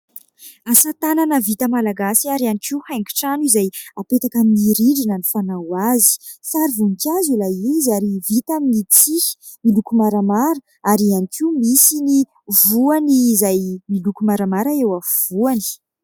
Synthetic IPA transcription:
asat̪ananəvit̪əmalaɡasiaɾianikiwhajŋɡi̥ʈ͡ʂanizajapet̪akaminiɾiɖ͡ʐinənifanawazi̥ | saɾivunikazulajiziaɾivit̪amnit͡si̥ | milukumaɾamaɾə | aɾianikiumisini | vuanizajmilukumaɾamaɾaewav̥uani̥

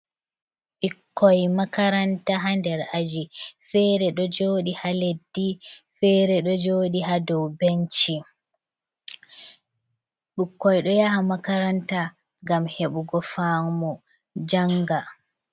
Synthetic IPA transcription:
ʔikːɔjmakaɾantaɦandɛɾad͡ʒifɛɾɛɗɔd͡ʒoːɗihaledːifɛːɾɛɗɔd͡ʒoːɗihadɔwbent͡ʃi | ɗukːɔjɗɔjaɦamakaɾanta | ŋɡamheɓuɡɔfamɔ | d͡ʒaŋɡa

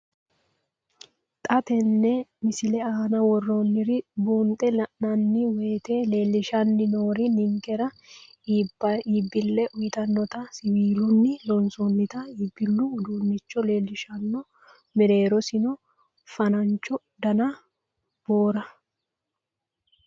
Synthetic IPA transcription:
t̪ʼɐt̪ɛnːɛmɪsɪlɛaːnɐwɔrːonːɪɾɪbuːnt̪ʼɛlɐʔnɐnːɪwe̞ːt̪eːle̞ːlːɪʃɐnːɪnoːɾɪnɪŋkɛɾɐ | ibɐiːbːɪlːɛʔʊjɪt̪ɐnːɔt̪ɐsɪwiːlʊnːɪlɔnsɔnːɪt̪ɐibːɪlːʊʊd̪uːnːɪt͡ʃːɔle̞ːlːɪʃɐnːɔ | mɛɾe̞ːɾɔsɪnɔ | fɐnɐnt͡ʃːɔ | d̪ɐnɐ | b̥oːɾɐ

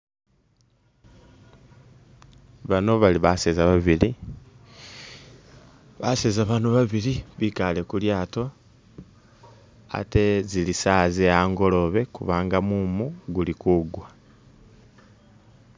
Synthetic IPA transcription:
βano̞βaliβasezaβaβili | βasezaβaːnoβaβiliβikale̞kuljaːto̞ | a̰te̞zilisazeaːŋɡo̞lo̞βe̞kṵβaːŋɡamumuɡulikuɡwa

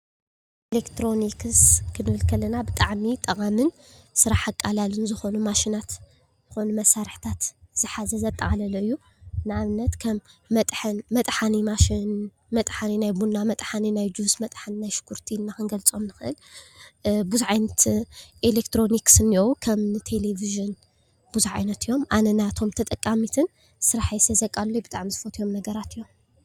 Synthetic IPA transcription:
ʔelekt̪ʰɾo̞nikʰɨskʰɨnɨβɨlkʰɐlːɐnabɨt̪ʼaʕmit̪ʼɐkʼamɨn | sɨɾaħakʼːalalɨnzɨxo̞numaʃinat̪ | zɨxo̞numɐsːaɾɨħt̪ʰat̪z̥ɨħazɐzɐt̪ʼːɐχʼalɐlɐɨjːu | nɨaβɨnːɐt̪kʰɐmːɐt̪ʼħɨnmɐt̪ʼħanimaʃin | mɐt̪ʼħaninajbunːamɐt̪ʼħaninajd͡ʒusmɐt̪ʼħannajʃɨ̥kʰːuɾt̪ʰinːakɨnɡɐlt͡sʼo̞mnɨxɨʔɨ̰l | buzʕajnɐt̪ʔelekt̪ʰɾo̞niksɨnːiowukʰɐmnɨt̪ʰe̞leviʒɨn | b̥uzuʕa̰jnɐt̪ɨjːo̞mʔa̰nɐnat̪ʰo̞mt̪ʰɐt̪ʼɐkʼːamit̪ʰɨn | sɨɾaħajsɐzɐkʼalːojbɨt̪ʼa̰ʕmizɨfot̪ʰjo̞mnɐɡɐɾat̪ʰɨjo̞m

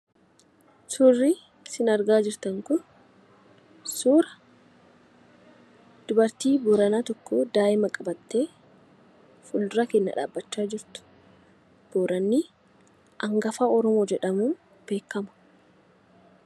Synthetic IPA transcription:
sʊrːi | sɪnɐɾɡaːd͡ʒɪɾt̪ɐŋkʊn | suːɾɐ | d̪̥ʊbɐɾt̪iːbɔɾɐnaːt̪ɔkːoːd̪aːʔɪmɐkʼɐbɐt̪ːe̞ː | fʊld̪ʊɾɐkɛnːɐ̰ᶑa̰ːbːɐt͡ʃːaːd͡ʒɪɾt̪ʊ̥ | b̥oːɾɐnːɪ | ʔɐŋɡɐfaːɔɾɔmoːd͡ʒɛᶑɐmuː | b̥e̞ːkːɐmɐ̥

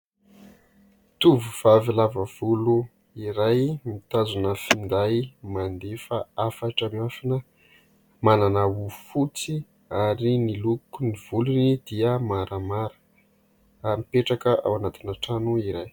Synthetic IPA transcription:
t̪uvuv̥avilavəv̥ulu | iɾajmit̪azunəfind̪ajmand̪efaafaʈ͡ʂəmiafanə | mananəufut͡si | aɾinilukuniv̥ulunid̪̥iəmaɾʔəmaɾə̥ | mipeʈ͡ʂakəʔa̰wanat̪inaʈ͡ʂanuiɾaj

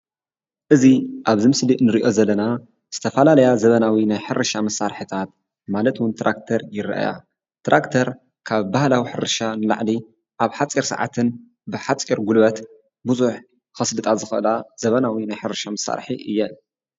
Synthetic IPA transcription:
ʔɨziʔaβzɨmɨslinɨɾiʔo̞zɐlːɐna | z̥ɨt̪ʰɐfɐlalɐjazɐβɐnawinajħɨɾɐʃamɐsːaɾħɨt̪ʰat̪ | malɐt̪wʊnt̪ʰɾʔak̚t̪ʰɐɾjɪɾʔa̰ja̰ | t̪ɾakt̪ʰɐɾ | kʰaβbahlawiħɨɾʃanɨla̰ʕli | ʔaβħat͡sʼiɾsa̰ʕa̰t̪ʰɨn | bɨħat͡sʼiɾɡulβɐt̪ | bɨzuħ | xɐslɨt̪ʼazɨxɨʔɨlazɐβɐnawinajħɨɾɐʃamɐsa̰ɾħḭʔɨ̰jːɛ

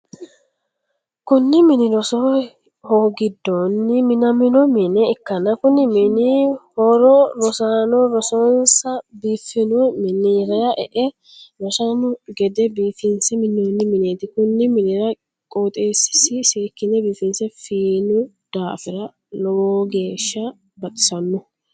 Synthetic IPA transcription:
kʊnːɪmɪnɪɾɔsɔ | hoːɡɪd̪ːonːɪmɪnɐmɪnɔmɪnɛɪkːɐnɐkʊnɪmɪnɪhɔɾɔɾɔsaːnɔɾɔsɔnsɐbiːfɪnɔmɪniɾɐjɐʔɛ̰ʔɛ | ɾɔsaːnʊɡɛd̪ɛbiːfɪnsɛmɪnːoːnːɪmɪneːt̪ɪkʊnːɪmɪnɛːɾɐ | kʼoːt̪ʼeːsɪ̥sɪseːkːɪnɛbiːfɪnsɛfiːnʊ | d̪̥aːfɪɾɐ | lɔwoːɡe̞ːʃːɐ | bɐt̪ʼɪ̥sɐnːʊ

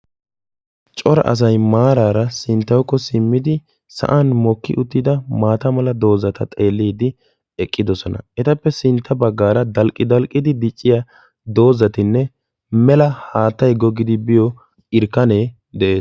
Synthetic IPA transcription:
t͡ʃʼɔɾɐ̰ʔɐ̰s̬ɐjmaːɾaːɾɐsɪnt̪ːɐwkːɔsɪmːɪd̪ɪ | sɐ̰ʔɐnmɔkːɪ̰ʔʊt̪ːɪd̪ɐmaːt̪ɐmɐlɐd̪o̞ːzɐt̪ɐt̪ʼe̞ːlːiːd̪ɪ | ɛkʼːɪd̪ɔsɔnɐ̰ɛt̪ɐpːɛsɪnt̪ʰːɐbɐɡːaːɾɐd̪ɐlkʼːɪd̪ɐlkʼːɪd̪ɪd̪ɪt͡ʃʼːɪja | d̪o̞ːzɐt̪ɪnːɛ | mɛlɐhaːt̪ːɐjɡɔɡɪd̪ɪbɪjɔ | ɪɾkːɐne̞ː | d̪ɛʔeːs

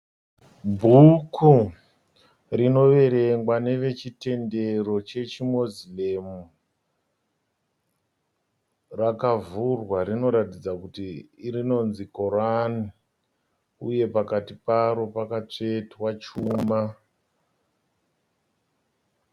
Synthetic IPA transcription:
bʱukʰu | rino̞ʋe̞ɾe̞ŋɡwane̞ʋe̞t͡ʃite̞nde̞ro̞t͡ʃe̞t͡ʃimozilemu | rakavurwaɾino̞ɾatid͡zakutiːrino̞nziko̞rani | uje̞pakatipaɾo̞pakat͡ʂe̞twat͡ʃuma

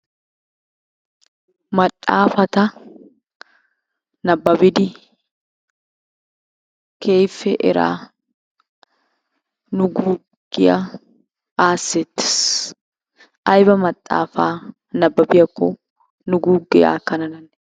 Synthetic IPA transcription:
mɐtʼːaːfɐt̪ɐ | nɐbːɐbɪd̪ɪ | kʰeːjfɛʔɪɾa̰ː | nʊɡuː | ɡɪʔɐ | aːsɛt̪ːɪ̥s | ʔɐjbɐmɐt̪ʼːa̰ːfaː | nɐbːɐbɪjɐkːɔ | nʊɡuːɡɪja̰ːkɐnɐnɐn

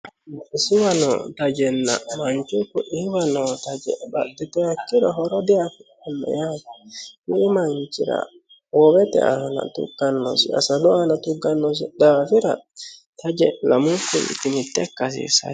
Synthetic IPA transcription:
isiwanɔ̰tad͡ʒɛnːa̰maɲt͡ʃukɔʔiwanɔtad͡ʒɛba̰dɛtɛhakːiɾɔɦɔɾɔdɛafi | anːa̰jad͡ʒikiːmaɲt͡ʃiɾa̰ | wɔwɛtɛ̰ʔana̰tṵɡanːɔsia̰salɔanatuɡanːɔs̬idafiɾatʰad͡ʒɛlamukːuḭtimitːɛkːas̬ḭsa̰

